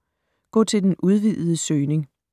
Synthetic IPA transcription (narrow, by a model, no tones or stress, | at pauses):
ɡ̥ɔ̰ːt͡sʰe̝ld̥enʔuð̞ˠʋið̰ˠð̩ˠəsøːne̝ŋ